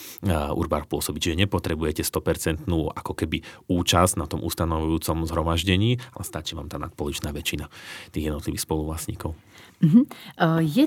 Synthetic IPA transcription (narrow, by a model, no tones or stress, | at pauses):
ṵɾbaɾɔxpʊɔsɔbict͡ʃiʒɛɲɛpɔt̪ɾɛbujɛcɛst̪ɔpɛɾt͡sɛnt̪nuːʔakɔkɛbiuːt͡ʃaz̥nat̪ɔmʔṵst̪anɔʋujuːt͡sɔmzɦɾɔmaʒɟɛɲiːalɛst̪at͡ʃiʋa̰ːmt̪aːna̰t̪̚pɔlut͡ʃnaːʋɛt͡ʃinat̪iːɣjɛd̪nɔt̪liʋixspɔluʋlasɲiːkɔʊ | m̩ɦ̩jɛ